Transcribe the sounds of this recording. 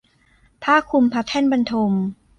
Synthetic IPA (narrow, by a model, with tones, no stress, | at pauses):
p̪ʰaː˥˩kʰu˧mpʰa˧˦˥t̪ʰɛː˥˩nba˧nt̪ʰo˧m